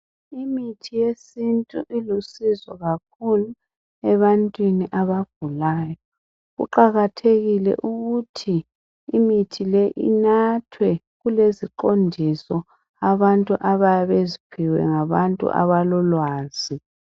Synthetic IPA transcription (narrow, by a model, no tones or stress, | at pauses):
imitʰijesintʼṵʔilusizɔɣakʰulu | ɛβantʼwiniʔaβaɡ̥ʱulaːjɔ | ɣṵǃaɣatʰeɣilɛ̰ʔuɣutʰiː | mitʰilɛʔḭnatʰwɛ | ɣuleziǃondʱisɔ | aβantʼuʔaβajaβezipʰiwɛ̰ŋaβantʼṵʔa̰βalɔlwaːz̥i